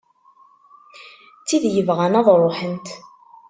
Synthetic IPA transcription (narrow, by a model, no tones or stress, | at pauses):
t͡sːiðjəvʁænɑðˤɾˤoħənt̪